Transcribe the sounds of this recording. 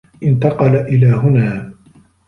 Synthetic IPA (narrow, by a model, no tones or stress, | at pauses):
ʔɪnt̪ɑqɑlaʔɪlaːɦʊnaː